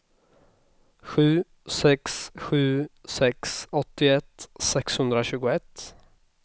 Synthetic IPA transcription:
ɧʉ̟ː | sɛksɧʉ̟ːsɛksɔt̪ːɪɛt̪ːsɛkshɵnd̪ɾaɕʉ̟ːɡʊɛt̪ː

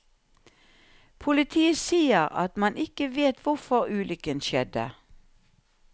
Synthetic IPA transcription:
pʰʊlɪt̪ʰiːəsiːəʁɑ̰t̪mɑnʔɪkəʋeːt̪ʰʋʊʁfɔʁʉːlʏkənʃɛd̪ə̰

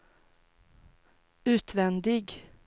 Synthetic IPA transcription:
ʉːt̪vɛnd̪ɪɡ

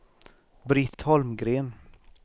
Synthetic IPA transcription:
bɾɪt̪hɔlmɡɾeːn

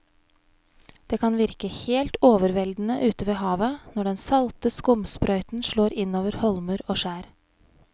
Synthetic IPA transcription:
d̪̥eːkʰɑnʋɪɾkəheːlt̪oːʋəɾʋɛld̪n̩əʔʉːt̪əʋeːhɑːʋənɔɖɛnsɑlt̪əskʊmspɾœʏt̪n̩ʃɭoːɾɪnoːʋəɾhɔlmʉːɾoːʃæːɾ

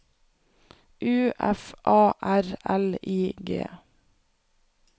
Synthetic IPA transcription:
ʔʉːʔɛfʔɑːʔæɾɛliːɡḛː

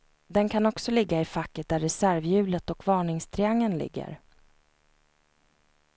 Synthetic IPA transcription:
d̪ɛnkʰanɔksɔlɪɡːaɪfakːət̪̚d̪æɾːɛsæɾvjʉ̟ːlət̪ɔkvɑːɳɪŋst̪ʰɾɪaŋːənlɪ̰ɡːə̰ɾ

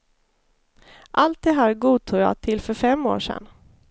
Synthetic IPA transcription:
ʔalt̪̚d̪ɛɦæːɾɡuːt̪ʰuːjɑ̰ːt̪ʰɪlːfœɾfɛmːo̰ːʂɛ̰n

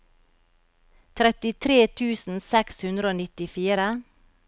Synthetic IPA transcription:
t̪ʰɾɛt̪ɪt̪ʰɾeːt̪ʰʉːsn̩sɛkshʉnd̪ɾəoːnɪt̪ɪfiːɾə

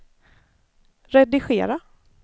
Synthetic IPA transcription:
ɾɛd̪ɪɧeːɾa

